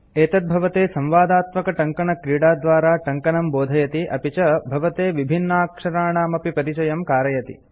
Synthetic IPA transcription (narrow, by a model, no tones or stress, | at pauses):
eːt̪ɐt̪̚bʱɐʋɐt̪eːsɐ̃mʋaːd̪aːt̪mɐkɐʈɐŋkɐɳɐkɾiːɽaːd̪ʋaːɾaːʈɐŋkɐnɐmboːd̪ʱɐjɐt̪iʔɐpit͡ʃɐbʱɐʋɐt̪eːʋibʱinːɐaːkʂɐɾaːɳaːmɐpipɐɾit͡ʃɐjɐmkaːɾɐjɐt̪ḭ